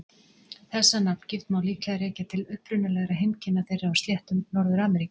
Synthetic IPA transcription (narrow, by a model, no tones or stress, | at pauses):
θɛsːanapn̥cɪft̪mawliːklɛɣðaɾɛːcat̪ʰɪlʏhpɾʏnʏlɛɣɾaɦejmcɪnːaθejrɪawst̪ljɛht̪ʏmnɔɾðʏɾaːmɛɾikʏ̥